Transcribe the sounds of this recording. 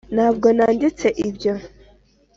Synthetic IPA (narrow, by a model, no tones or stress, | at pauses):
naːbɡonaːndit͡seʔibjo